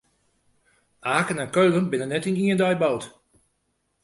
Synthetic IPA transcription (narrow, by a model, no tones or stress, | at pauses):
ʔaːkənɛnkøːlənbɪnənːɛtiniəndɔjbowt